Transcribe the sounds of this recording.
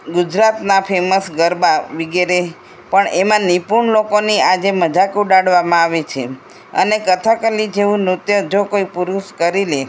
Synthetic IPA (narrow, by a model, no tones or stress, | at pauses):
ɡud͡ʒɾat̪napʰeməsɡəɾbaʋiɡeɾe | pəɳemãnipuɳlokoniad͡ʒeməd͡ʒakuɖaɽʋamãaʋet͡ʃʰe | ə̰nekət̪ʰakəlid͡ʒeʋũnut̪jəd͡ʒokoipuɾuʃkəɾile